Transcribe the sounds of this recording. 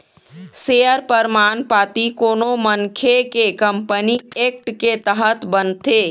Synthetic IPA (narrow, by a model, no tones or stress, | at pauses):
seːjəɾpəɾmaːnpaːt̪ikoːnoməŋkʰekekə̃mpənieːk̚ʈket̪əɦət̪bənt̪eː